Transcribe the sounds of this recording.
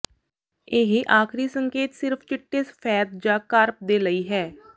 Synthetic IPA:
ɪɦʔaːkʰɾiːsəŋkeːt̪sɪɾpʰt͡ʃɪʈːeːspʰɛːd̪̚d͡ʒãːkəɾp̚d̪eːləiːɦɛː

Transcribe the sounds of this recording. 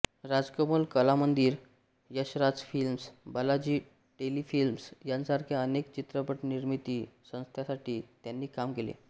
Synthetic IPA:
ɾad͡zkəmolkəlamənd̪iːɾ | jəɕɾad͡zfilmsbəlad͡ʑiː | ʈelifilmsjãnsaɾkʰjaənekt͡ɕit̪ɾəpəʈniɾmit̪iːsə̃w̃st̪ʰjasaʈʰiːt̪janːiːkamkelḛ

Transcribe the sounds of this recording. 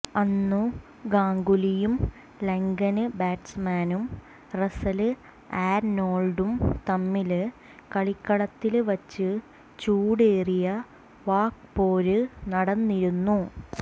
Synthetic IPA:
ɐnːu | ɡaːŋɡulijum | leŋɡɐnɨbaːʈsmaːnum | resɐlɨ | aːɾnoːlɖumt̪ɐmːilɨ | kɐɭikːɐɽɐt̪ːilʋɐt͡ɕːɨ | t͡ɕuːɽeːrijɐ | ʋaːkpoːɾɨnɐɽɐnːiɾunːu

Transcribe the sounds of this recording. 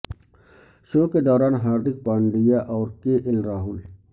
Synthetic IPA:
ʃoːked̪ɔːɾaːnɦaːɾd̪ɪk̚paːɳɖijaʔɔːɾkeʔɪlɾaːɦʊl

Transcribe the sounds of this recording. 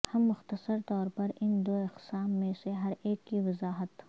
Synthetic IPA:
hɐmːʊxt̪ɐsɐɾt̪ɔːɾpɐɾɪnd̪oːɪqsaːmːẽseɦɐɾeːkːiʋɪzaːɦɐt̪

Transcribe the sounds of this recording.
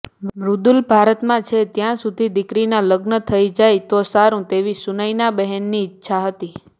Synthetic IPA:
ɾud̪ulbʱaɾət̪mãt͡ʃʰet̪jãsud̪ʱid̪ɪkɾinaləɡnət̪ʰəid͡ʒajt̪osaɾũt̪eʋisunəjnabəɦɛnːiɪtːʃʰaɦət̪i

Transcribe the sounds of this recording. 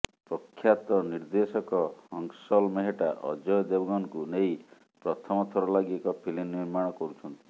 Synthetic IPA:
pɾɔkʰːjat̪ɔniɾd̪esɔkɔhɔŋsɔlmeɦeʈaʔɔ̰d͡ʒɔjɔd̪ebɔɡɔnɔkunej | pɾɔt̪ʰɔmɔt̪ʰɔɾɔlaɡiekɔpʰilinːiɾmaɽ̃ɔkɔɾut͡ʃʰɔnt̪i̥

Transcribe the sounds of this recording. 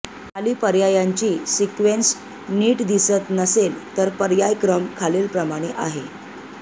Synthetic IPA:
aliːpəɾjajaɲt͡ɕiːsikʋens | niːʈd̪isət̪nəselt̪əɾpəɾjajkɾəmkʰaleːlpɾəmaɽ̃eʔaɦe

